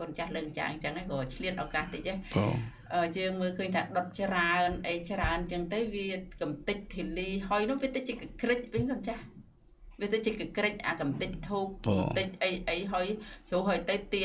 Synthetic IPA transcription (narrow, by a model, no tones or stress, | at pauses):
koənt͡ɕahləːk̚ɲt͡ɕa̰ːɲt͡ɕəŋaːkɔːt͡ɕʰliət̪ʔaɔkaːht̪ɨc̚ʔao̰ | ʔəːjəːŋməːlkʰəːɲt̪ʰaːɗot̪̚t͡ɕraənʔəjt͡ɕraənt͡ɕəŋt̪əwʋiəkamt̪ɨc̚t̪ʰːiəliːɦaəjnʊ̆hʋiət̪ɨt͡ɕiəkakrɨc̚ʋɨŋkont͡ɕah | ʋiət̪ɨt͡ɕiəkəkrɨc̚ʔa̰ːkamt̪ɨc̚t̪ʰuːp̚kmt̪ɨc̚ʔəjʔəjɦaəjt͡ɕʰoːɦaːjt̪əwt̪iə